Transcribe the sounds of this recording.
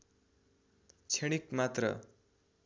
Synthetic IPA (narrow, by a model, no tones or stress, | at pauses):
t͡sʰeɽ̃ikmat̪rʌ̰